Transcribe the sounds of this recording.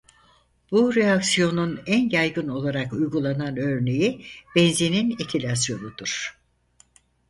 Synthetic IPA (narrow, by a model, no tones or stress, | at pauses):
b̥uɾeaksijo̞nunænjajɡɯno̞lˠaɾakujɡulˠananø̞ɾne̞jib̥ɛnzininecʰilʲasjo̞nud̪uɾ̥